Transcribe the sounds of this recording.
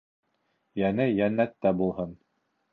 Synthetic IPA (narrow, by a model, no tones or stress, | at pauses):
jænɘjænːæt̪ːæbulˠhɤn